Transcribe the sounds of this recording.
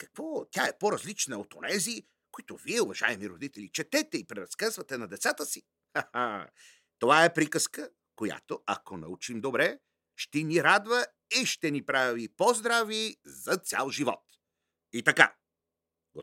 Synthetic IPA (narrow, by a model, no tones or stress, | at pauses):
kɐ̥kvɔt̪ʲaɛpoɾɐzlit͡ʃnəot̪onɛzi | koit̪oviɛʊvɐʒa̰ɛmiɾod̪it̪ɛlʲit͡ʃɛt̪ɛt̪ɛipɾɛɾɐskazvɐt̪ɛnɐd̪ɛt̪sat̪əsi | aha | t̪ovaɛpɾikəskə | koja̰t̪oɐkonɐ̰ut͡ʃimd̪obɾɛ | ʃt̪ɛniɾad̪və | iʃt̪ɛnipɾavipozd̪ɾavizɐt̪sʲja̰lˠʒivɔ̰t̪ | it̪ɐka̰ | ɡo